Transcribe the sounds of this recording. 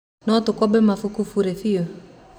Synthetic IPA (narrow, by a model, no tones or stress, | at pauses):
nɔtʊkɔbɛmafukufuɾefio